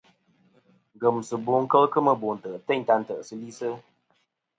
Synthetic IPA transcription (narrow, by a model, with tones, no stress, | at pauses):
ŋ˨ɡə˨msɨ˨bu˨˦ŋ̩˦kə˦lkɨ˦mə˦bo˨n̩˨tə˨ʔtɛ˦˨ɲ˨ta˧n̩˨tə˨ʔsɨ˦li˦sɨ˦